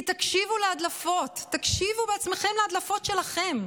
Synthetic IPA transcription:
t̪akʃivulead̪lafo̞tːakʃivubeat͡sme̞χe̞mlead̪lafo̞tʃe̞laχe̞m

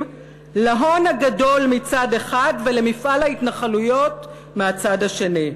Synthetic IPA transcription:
laɦo̞nhaɡado̞lmit͡sade̞χadvele̞mifalaitnaχalujo̞t | meat͡sadhaʃe̞ni

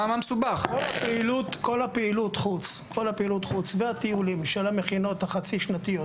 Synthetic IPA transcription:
amamesubaχkolpeilutko̞lapeilutχut͡skʰo̞lapeilutχut͡sveatiulimʃelameχino̞taχat͡siʃnat̪ijot

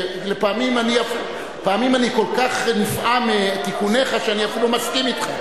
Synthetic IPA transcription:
lepaːmimaniaf | paːmimaniko̞lkaχnifʔamet̪ikune̞χaʃeaniafilomaskimit̪χa

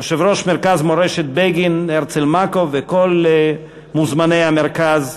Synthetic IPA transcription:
ʃevɾoʃmeʁkazmoɾeʃet̪̚beɡineʁt͡selmakovekol | muzmanejhameʁkaz

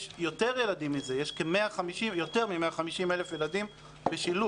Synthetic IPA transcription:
ʃjo̞teʁje̞lad̪imizejeʃkemeaχamiʃimjot̪e̞ʁmimeaχamiʃimelefje̞lad̪im | beʃilu

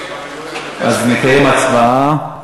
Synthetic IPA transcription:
ʔaznekajemat͡svaa

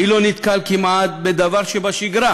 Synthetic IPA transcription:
ilonit̪kalkimʔat̪̚bed̪avaʁʃebaʃiɡʁa

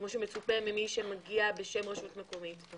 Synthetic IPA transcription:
kmoʃ̬emet͡supemːimiʃemaɡiabeʃemʁaʃutmeko̞mit

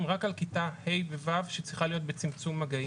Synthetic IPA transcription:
mʁakalkit̪ahe̞jbevavʃet͡sʁiχalijo̞t̪̚be̞t͡simt͡sumːaɡai

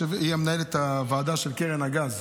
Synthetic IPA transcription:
eviamnaelet̪avaːd̪aʃelkeʁenaɡaz

